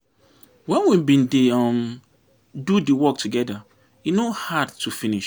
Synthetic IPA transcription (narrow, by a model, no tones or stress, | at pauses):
wɛ̃nwibĩndeam | dudiwɔk̚tʰuɡɛda | inohadtʰufĩniʃ